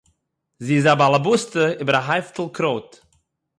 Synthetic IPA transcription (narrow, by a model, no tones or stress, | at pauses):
ziːzabalˠabʊstəɪbəɾaɦaɪftl̩ˠkʰɾoːt